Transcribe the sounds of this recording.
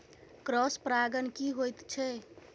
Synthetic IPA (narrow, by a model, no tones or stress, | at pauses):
kɾɔspɾaɡənkiɦojt̪t͡ʃʰɛ